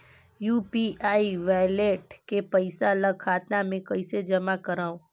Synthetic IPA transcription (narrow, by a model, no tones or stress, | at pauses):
juːpiʔaːiʋaːjleːʈkepɐɪsaləɡkʰaːt̪namẽkɐɪsed͡ʒɐmakɐɾaːõː